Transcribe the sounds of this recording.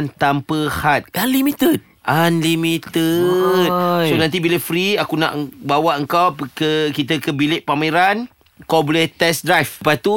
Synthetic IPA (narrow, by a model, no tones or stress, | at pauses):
nt̪ampəhat̪̚anlimit̪ət̪̚ | ʔanlimit̪ət̚sonãnt̪̬ibiləʔfɾiakunã̰ʔbawaʔəŋkawpkəkit̪̬əkəbilɪʔpameɾan | kawbələt̪ɛsdɾajfpat̪u